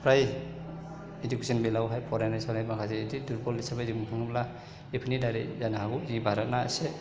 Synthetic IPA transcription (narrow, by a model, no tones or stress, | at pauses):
pʰɾaj | ed͡ʒukesʰɔnbelawɦajpʰɔɾanajsanajmakʰazeːdiduɾpɔlisabazimpʰuŋmla | epʰinidaɾḛzanaɦaɡuzibaɾat̚naa̰se